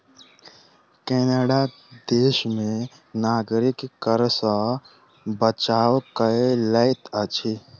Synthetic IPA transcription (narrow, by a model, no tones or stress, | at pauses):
keːnəɖa | d̪eːʃmẽ | naːɡɾikkəɾsə | bət͡ʃaːwkələɪt̪ət͡ʃʰi